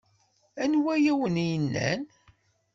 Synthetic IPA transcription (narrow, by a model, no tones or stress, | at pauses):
ænwæjæwənijənːæ̰n